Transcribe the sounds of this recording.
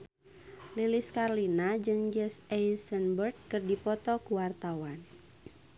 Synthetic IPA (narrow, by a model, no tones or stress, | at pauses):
liliskarlinad͡ʒɨŋd͡ʒɛsɛsənbərt̪̚kɨrdipɔt̪ɔkuwart̪awan